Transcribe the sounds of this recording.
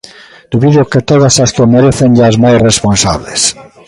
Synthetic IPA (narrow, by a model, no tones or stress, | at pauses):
d̪̥uβiðeoket̪oðasast̪omeɾeθenʎazmajsresponsa̰βles